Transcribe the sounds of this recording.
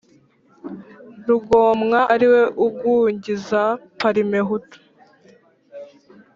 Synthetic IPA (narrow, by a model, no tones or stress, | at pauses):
ɾuɡo̞ːmŋaʔːɾiwe̞ʔuɡuɲɟizapaɾimeɦutu̥